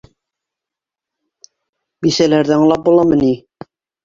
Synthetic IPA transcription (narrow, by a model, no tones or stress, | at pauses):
bisælæɾðæɤɴlˠɑp̚bulˠɑmɤni